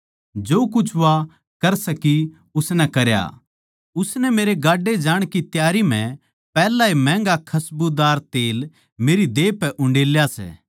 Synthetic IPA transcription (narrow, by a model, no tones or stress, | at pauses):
d͡ʒoːkʊt͡ʃʰʋa | kɐɾsɐki | ʊsnɛkɐɾja̰ | ʊsnɛmeːɾeɡaːɖːed͡ʒaːɽ̃kit̪jaːɾimɛ̃ | pɛːlaimɛ̃ːŋɡakʰɐsbud̪aːɾt̪eːl | meːɾid̪eːpɛʔʊ̃ɳɖeːljasɛ̰ː